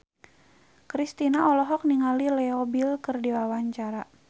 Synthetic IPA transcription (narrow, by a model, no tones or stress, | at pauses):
kɾist̪inaɔlɔɦɔk̚niŋalilɛɔbilkɨrdiwawaɲt͡ʃaɾa